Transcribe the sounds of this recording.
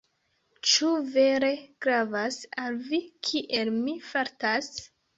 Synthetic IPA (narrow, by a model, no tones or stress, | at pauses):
t͡ʃuve̞ɾe̞ɡ̥ɾavasalvikʰiʔelmifaɾtas